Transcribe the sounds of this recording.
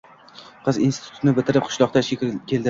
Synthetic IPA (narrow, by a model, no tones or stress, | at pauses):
qʰɨzinsʰɪ̥t̪ʰʊ̥t̪nɪbɪt̪ʰɪɾɪp̚qʰʊ̥ʃlˠɒq̚t̪aʃekʲɾkʰʲeld̪ɪ